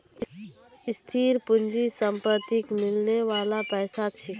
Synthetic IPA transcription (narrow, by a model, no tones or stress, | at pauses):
ɪst̪ʰiːɾpʊnd͡ʒisəmpəɾt̪ɪkmɪlneʋaːlapɛːsat͡ʃʰɪ